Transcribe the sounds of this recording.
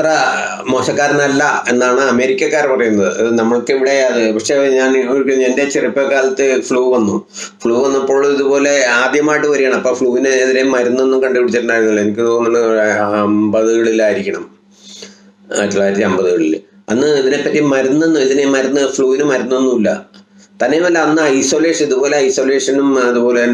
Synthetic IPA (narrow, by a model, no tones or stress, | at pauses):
t̪rɐ | moːɕɐkːaːɾnɐlːɐenːaːɳɨɐme̞ːɾikʲːɐkːaːrpɐrɐjunːɐðɨɐðɨnɐmːɐɭkːiʋiɽe̞ɐðɨpɐkʂeɲaːniikʲːuende̞t͡ɕiripːɐkːaːlɐt̪ːɨfɭuːʋɐnːu | fɭuːʋɐnːɐpːo̞ːɭiðupo̞ːle̞aːd̪jɐmaːjiʈːɨʋɐɾijaɳɐmɐpːoːfɭuːʋinɨːðiɾemɐɾunːonːumkɐɳɖɨʋiɽit͡ɕːɐɾnːaːjɾunːulːɐenikʲːɨt̪oːnːɐnɳːɖɨɐmbɐðɨɣɐɭilːaːiɾikʲːɐɳɐm | ɐ̰tːulaːjiɾɐt̪ːiɐmbɐðɨɣɐɭilː | ɐ̰nːɨiðine̞pːɐtːimɐɾunːo̞nːuiðinemɐɾunːɨfɭuːʋinɨmɐɾunːonːuilːɐ̰ | t̪ɐnːemɐlːɐɐnːɨɐjso̞ːle̞ːʂɐniðubo̞ːleɐjsoːle̞ːʂɐnumɐðupo̞ːle